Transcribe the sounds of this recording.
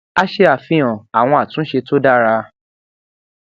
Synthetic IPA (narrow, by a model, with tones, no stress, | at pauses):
a˦ʃe˧a˨fĩ˨ã˨a˨w̃ɔ̃˧a˨tũ˨˦ʃe˧to˦da˦ɾa˧